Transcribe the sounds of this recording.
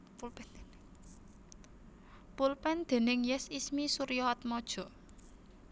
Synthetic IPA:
pulpɛnd̪̥e̤nɪŋjɛsismisuɾjɔɔt̪̚mɔd̥ʒ̥ɔ̤

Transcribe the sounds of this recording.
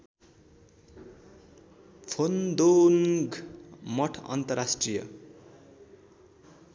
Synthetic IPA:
pʰond̪oŋɡmʌʈʰʌ̰nt̪ʌrasʈrijʌ̰

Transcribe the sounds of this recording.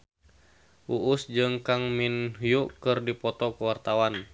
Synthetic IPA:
ʔuʔusd͡ʒɨŋkaŋminɦjuʔkɨrdipɔt̪ɔkuwart̪awan

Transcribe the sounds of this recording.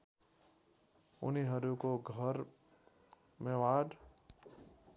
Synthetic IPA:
ʊ̰niɦəɾukoɡʱəɾ | mẽwaːɖ

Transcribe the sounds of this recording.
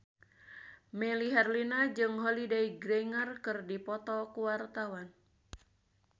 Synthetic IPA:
mɛliɦɛrlinad͡ʒɨŋɦolidaiɡɾɛŋərkɨrdipɔt̪ɔkuwart̪awan

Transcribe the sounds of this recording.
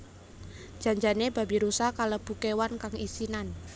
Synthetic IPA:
d͡ʒ̥a̤ɲd͡ʒaneba̤biɾusakaləb̥ukewankaŋisinan

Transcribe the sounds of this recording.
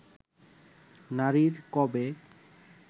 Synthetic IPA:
naɾiɾkɔbe

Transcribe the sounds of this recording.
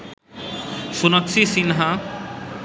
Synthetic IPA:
ʃunaksisinɦa

